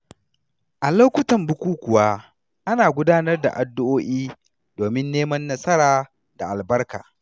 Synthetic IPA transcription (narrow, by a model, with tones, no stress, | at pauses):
ʔa˨lo˦kʷʊ˦tɐ˨mbʊ˦kʷuː˦kʷʊ˨wa˦ | ʔa˦naː˨ɡʷʊ˦daː˦nɐ˦rda̰˨ʔa˨dːʊ˦ʔoː˦ʔiː˦ | d̥oː˨mɪ˦nːeː˦mɐ˦nːɐ˦sɐ˦ɾaː˨ | da˨ʔa˨lbɐ˦rka̰ː˨